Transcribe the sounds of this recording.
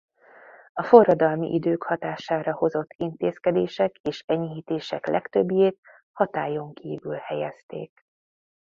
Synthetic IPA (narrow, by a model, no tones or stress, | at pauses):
ɒfo̞rːɒd̪ɒlmḭʔid̪øːkhɒt̪aːʃaːɾɒho̞zo̞t̪ːint̪eːskɛd̪eːʃɛkeːʃɛɲiɦiːt̪eːʃɛklʔɛ̰kt̪øbːijeːt̪ | hɒt̪aːjo̞ŋkʰiːvylhɛjɛst̪ḛːk̚